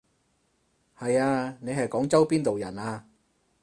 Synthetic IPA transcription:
hɐ˨jaː˧ne˨˧jɦɐ˨jkɔː˨˥ŋt͡sɐ˥wpiː˥nt̪o˨wjɐ̰˨˩naː˧

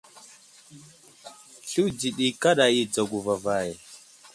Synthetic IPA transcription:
ɬu˦wd͡ʒi˨ɗi˨ka˦ɗa˨ji˨d͡za˨ɡu˨va˨va˨je˨

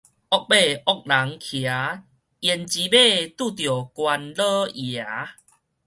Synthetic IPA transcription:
ʔɔ˦k̚be˥˧˨ɔ˦k̚la˨˦ŋkʰja˨˦ | jɛ˨˩nt͡ɕi˨˦be˥˧t̪u˥˨t̪̬jo˨˩kwa˧nlə˦ja˨˦

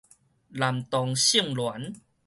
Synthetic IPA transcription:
la˨˩mt̪ɔ˧ŋɕi˥˧˨ŋlwa˨˦n

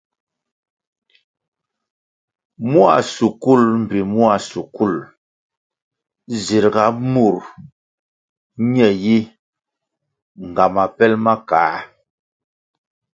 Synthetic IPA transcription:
mu˦a̰˨su˨ku˦˨lm̩˨bi˨mu˦a˨su˨ku˦˨l | zi˨ɾɡa˨˦mu˦˨ɾ | ɲɛ˨ji˦ | ŋ˨ɡa˨ma˨pɛ˦lma˦kaː˨˦

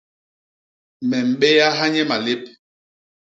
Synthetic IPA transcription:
mɛ˨m̩˨ɓɛ˦ja˦ɦa˦ɲɛ˦ma˨le˦p̚

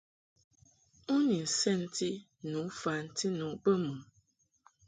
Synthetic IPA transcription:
u˦ni˨n̩˨sɛ˦˨n̩˦ti˦ | nu˨˦fa˨n̩˦ti˦nu˨˦bə˦mu˨

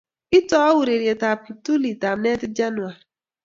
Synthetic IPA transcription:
ɪ˦tɔ˦ɔ˦wu˨ɾe˨ɾje˨ta˨pi˨tu˦li˨ta˨m̩˦ne˦tɪ˦d͡ʒa˦nʊ˨a˨ɾi˨

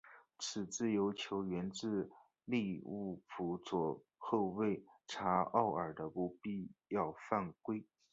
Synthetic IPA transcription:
t͡sʰɹ̩˨˩t͡sɹ̩˥˩jo˧˥ʊt͡ɕʰjo˧˥ʊɥɛ˧˥nt͡sɹ̩˥˧ | li˥˧u˥˩pʰu˧˥t͡swɔ˨˩ | xo˥˧we˥˩ɪʈ͡ʂʰa˧˥ɑ˥˩ʊə˞˨˩d̪ə˦pu˧˥pi˥˧jɑ˥˧ʊfa˥˩nkwe˥ɪ

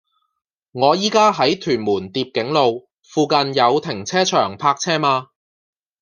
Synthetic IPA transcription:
ŋɔː˨˧jiː˥kaː˥ɦɐ˨˥jt̪ʰyː˨˩nmuː˨˩nt̪iː˧p̚kɪ˨˥ŋlo˨w | fuː˨˧kɐ˧njɐ˨˧wt̪ʰɪ˨˩ŋt͡sʰɛː˥t͡ʃʰœː˨˩ŋpʰaː˧k̚t͡sʰɛː˥maː˧

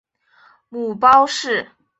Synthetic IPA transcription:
mu˨˩pɑ˥ʊʂɻ̩˥˩

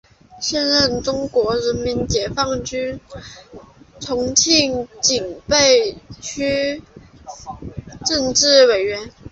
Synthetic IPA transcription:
ɕjɛ˥˧nɻə˥˩nʈ͡ʂʊ˥ŋkwɔ˧˥ɻə˧˥nmi˧˥nt͡ɕjɛ˨˩fɑ˥˩ŋt͡ɕy˥n | t͡sʰʊ˧˥ŋt͡ɕʰi˥˩ŋt͡ɕi˨˩ŋpe˥˩ɪt͡ɕʰy˥ | ʈ͡ʂə˥˧nʈ͡ʂɻ̩˥˩we˨˩ɪɥɛ˧˥n

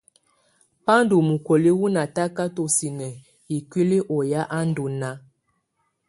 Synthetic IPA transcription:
pa˦n˦do˨mu˨ko˨li˦wu˦na˨ta˦ka˦to˨si˨nə˨ | i˨kwi˦li˦ʔɔ˨ja˦ʔa˦n̩˦do˨na˦

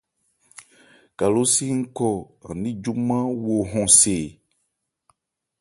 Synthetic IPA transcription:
ka˨lo˦si˦ŋ̩˦kɔ˦a̰˨nĩ˦d͡ʒu˦mã˦wo˨ɦɔ̃˨se˨

